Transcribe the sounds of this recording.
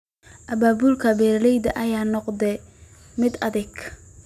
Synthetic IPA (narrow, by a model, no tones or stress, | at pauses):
ʔɐbaːbulkʰɐbɛːɾlɛjd̪ɐʔɐjaːnɔqd̪ɛ | mɪd̪ɐðɛɡ